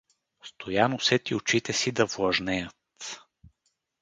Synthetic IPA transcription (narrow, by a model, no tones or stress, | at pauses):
st̪ʰojanosɛt̪iot͡ʃit̪ɛsid̪ɐvlˠɐʒnɛjət̪